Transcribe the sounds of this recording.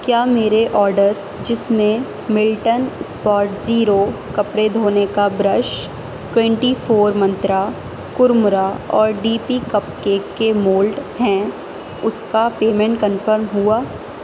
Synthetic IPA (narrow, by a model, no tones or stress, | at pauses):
kjaːmeːɾeʔɔːɾɖəɾ | d͡ʒɪsmẽ | mɪlʈənspɔːɾʈziːɾokɐpɾed̪ʱoːnekabɾəʃ | ʈwɛ̃ɳʈifʰoːɾmɐ̃nt̪ɾa | kʊɾmʊɾaɔːɾɖiːpikɐp̚keːkːemoːlɖɦɛ̃ː | ʊskapeːmɛ̃ɳʈ̚kənfəɾmɦuaː